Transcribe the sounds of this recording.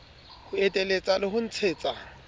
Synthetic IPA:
hʊetʼelet͡sʼalɪɦʊn̩t͡sʰeːt͡sʼa

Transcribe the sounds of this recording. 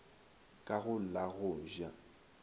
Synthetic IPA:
kʼaɣʊl̩laɣʊʒa

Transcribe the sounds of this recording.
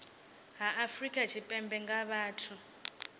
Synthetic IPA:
ɦaʔafrikʼat͡ʃʰipʼɛmbɛŋɡaβaːtʰu

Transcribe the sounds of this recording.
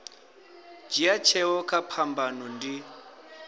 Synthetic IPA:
d͡ʒiat͡ʃʰɛwɔkʼapʰambanɔndi

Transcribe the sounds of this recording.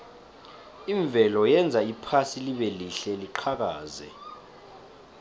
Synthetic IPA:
iɱb̪vʱɛlɔjɛnd͡zʱaipʰasiliɓeliɬɛliǃʰak̬aːzɛ̰

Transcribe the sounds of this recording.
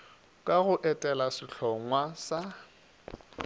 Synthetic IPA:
kʼaɣʊʔɛtʼɛlasɪɬʰɔŋwasa

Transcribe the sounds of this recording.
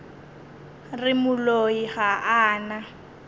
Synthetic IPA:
rɪmʊloiɣaʔaːna

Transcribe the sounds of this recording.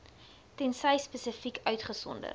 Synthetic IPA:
tɛnsəjspəsəfikœɥtχəsɔ̰ndə̰r

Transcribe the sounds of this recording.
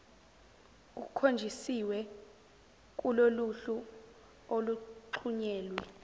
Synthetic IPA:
ṵkʰond͡ʒʱisiwɛ | k̬uloluɬu | oluǃʰuɲɛːlwɛ

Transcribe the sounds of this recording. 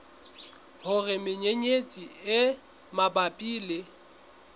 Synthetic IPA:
hʊrɪmɪɲeɲet͡sʼiɪ | mabapʼiːlɪ

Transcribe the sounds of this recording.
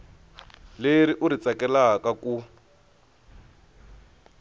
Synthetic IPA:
leɾiʔuɾit͡sakɛlakaku

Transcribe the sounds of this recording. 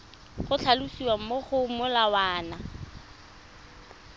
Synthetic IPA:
χʊt͡ɬʰalusiwam̩moχʊmʊlawaːna

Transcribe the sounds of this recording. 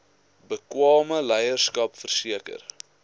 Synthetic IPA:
bəkwɑːməlɛjərskɐpfərsiəkə̰r

